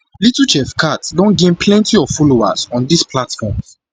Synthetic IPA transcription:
litut͡ʃɛfkʰatsdɔ̃nɡẽnplɛ̃ntiɔv̥fɔloa̰zɔ̃ndispʰlatfɔ̃m

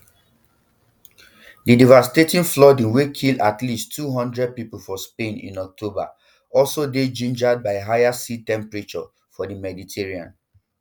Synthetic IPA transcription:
didivasi̥tetĩnflɔdĩnwekʰildatlistʰːuɦɔ̃ndɹɛd̚pipulfɔspẽnḭ̃nɔk̚tʰoba̰ | ɔlsoded͡ʒĩnd͡ʒad̚baɪɦajasitɛ̃mpɹit͡ʃɔ̰ | fɔdimɛditʰeɹiã̰n

